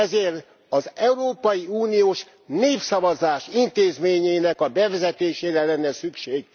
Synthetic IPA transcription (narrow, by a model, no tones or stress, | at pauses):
ɛzeːr | ɒzɛuɾoːpɒjiuːnijoːʃ | neːfsɒvɒzaːʃint̪eːzmeːɲeːnɛkɒbɛvɛzɛt̪eːʃeːɾɛlɛnːɛsykʃeːɡ̚